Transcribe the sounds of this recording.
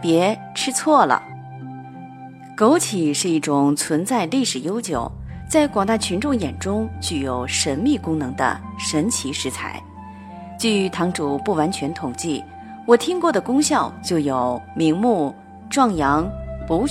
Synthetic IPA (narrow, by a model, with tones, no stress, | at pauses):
pjɛ˧˥ | ʈ͡ʂʰɻ̩˥t͡sʰwɔ˥˩lə̰˩ | ko˧˥ʊt͡ɕʰi˨˩ʂɻ̩˥˧i˥˩ʈ͡ʂʊ˨˩ŋt͡sʰwə˧˥nt͡sa˥˧ɪli˥˩ʂɻ̩˨˩jo˥ʊt͡ɕjo˨˩ʊt͡sa˥˩ɪkwɑ˨˩ŋt̪a˥˩t͡ɕʰy˧˥nʈ͡ʂʊ˥˩ŋjɛ˨˩nʈ͡ʂʊ˥ŋt͡ɕʰy˧˩jo˧˩ʊʂə˧˥nmi˥˩kʊ˥ŋnɤ˧˥ŋd̪ə̰˧ʂə˧˥nt͡ɕʰi˧˥ʂɻ̩˧˥t͡sʰa̰˧˥ɪ | t͡ɕy˥˩˧t̪ʰɑ˧˥ŋʈ͡ʂu˨˩pu˥˩wa˧˥nt͡ɕʰɥɛ˧˥nt̪ʰʊ˨˩ŋt͡ɕi˥˩ | wɔ˨˩t̪ʰi˥ŋkwɔ˥˩d̪ə˩kʊ˥ŋɕjɑ˥˧ʊt͡ɕjo˥˩ʊjo˨˩ʊmi˧˥ŋmu˥˩ | ʈ͡ʂwɑ˥˩ŋjɑ˧˥ŋpu˧˥